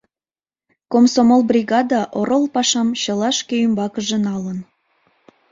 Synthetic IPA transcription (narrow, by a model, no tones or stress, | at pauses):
komsomolbrʲiɡɑd̪ɑʔoɾolˠpɑʃɑmɕɤ̆lɑʃkʲejymbɑkə̆ʒə̆nɑlə̆n